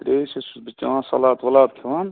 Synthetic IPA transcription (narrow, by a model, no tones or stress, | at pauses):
t̪ɾeːsesbit͡ʃã̰ːsɐ̰laːt̪wɐlaːt̪kʰeʋaːn